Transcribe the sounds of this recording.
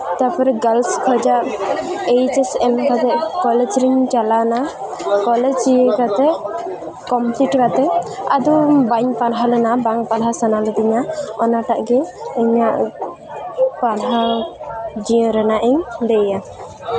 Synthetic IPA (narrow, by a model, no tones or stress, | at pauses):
t̪apɔɾɛɡalskʰɔd͡ʒaʔejd͡ʒɛsɛnkat̪ɛkɔlɛd͡ʒɾiɲt͡ʃalana | kɔlɛd͡ʒiə̃kat̪ɛ | kɔmpliʈbat̪ɛad̪ubaɲpaɾɦalɛnabaŋpalɦasanalɔd̪iɲaɔnaʈaʔɡɛɛɲaʔ | palɦa | d͡ʒiə̃ɾɛnaʔiɲd̪ɛja